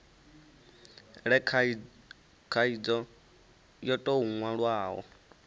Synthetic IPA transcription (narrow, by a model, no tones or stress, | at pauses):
ɺɛkʰ | kʰaid͡zɔ | jɔtʼɔuŋwaɺwaːɦɔ̰